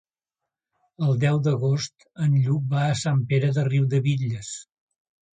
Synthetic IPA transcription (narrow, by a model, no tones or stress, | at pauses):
əlˠd̪ɛwd̪əɣost̪ | ənʎuk̚baəsampeɾəðəriwd̪əβiʎəs